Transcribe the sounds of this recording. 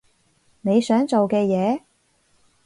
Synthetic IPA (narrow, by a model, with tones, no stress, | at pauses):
ne˨˧jsœː˨˥ŋt͡so˨wkɛː˧jɛː˨˧